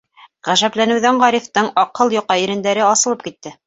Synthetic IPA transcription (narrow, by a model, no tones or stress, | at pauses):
ʁæʒæplænɘ̆wðæɴʁɑɾift̪ɤɴɑqɤlˠjŏqːɑiɾɘ̆nd̪æɾɘɑsɤ̆lˠɤp̚kit̪ːɘ